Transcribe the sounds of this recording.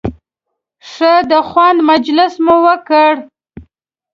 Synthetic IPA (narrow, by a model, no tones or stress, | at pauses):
ʂəd̪əxwand̪mad͡ʒlɪsmʊwəkəɽ